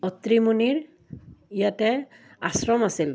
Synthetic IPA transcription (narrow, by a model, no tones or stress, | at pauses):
ɔt̪ɹimuniɹ | ijatɛ | asɹɔmasil